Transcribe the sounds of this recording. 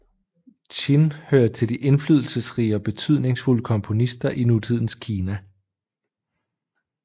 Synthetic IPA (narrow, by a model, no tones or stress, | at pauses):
t͡ɕinhøːɐ̥t͡sʰe̝ld̥iʔe̝nflyðˠl̩səsʁḭːəɒ̽b̥e̝t͡sʰyð̞̰ˠne̝ŋsfuləkʰɒ̽mpʰo̝nisd̥ɐʔinut͡sʰið̞̰ˠn̩skʰiːnæ